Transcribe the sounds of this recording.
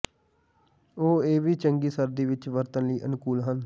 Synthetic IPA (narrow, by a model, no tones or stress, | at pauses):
oːeːʋiːt͡ʃəŋɡiːsəɾd̪iːʋɪt͡ʃʋəɾt̪ənliːʔənkuːlɦən